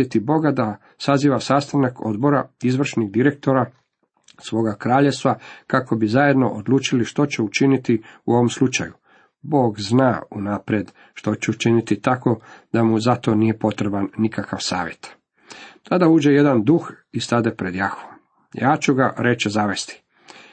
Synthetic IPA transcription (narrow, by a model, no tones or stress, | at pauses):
et̪ibo̞ɡad̪a | saziːʋasast̪anakʰo̞̰d̪bo̞ɾaizʋr̩ʃniɡd̪iɾe̞k̚t̪o̞ɾa | sʋo̞ːɡakɾaːʎest̪ʋakako̞bizaje̞d̪no̞ʔod̪lˠuːt͡ʃiliʃt̪o̞t͡ɕeut͡ʃinit̪iuo̞ʋomslˠut͡ʃa̰ju | bo̞ːɡznaːunapɾjed̪ | ʃt̪o̞t͡ɕeut͡ʃinit̪it̪ako̞d̪amuzat̪o̞nijepo̞t̪ɾebanːikakaʋsa̰ːʋje̞t̪ | t̪ʰad̪auːd͡ʒe̞je̞d̪and̪ux | ist̪ad̪epɾed̪jaxo | jaːt͡ʃuɡaɾe̞t͡ʃezaʋe̞st̪i̥